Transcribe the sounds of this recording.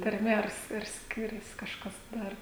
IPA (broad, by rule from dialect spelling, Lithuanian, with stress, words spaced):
tɐrʲˈmʲɛ ɐr ɐr ˈsʲkʲɪrʲɛs ˈkɑːʃkɐs ˈdɐr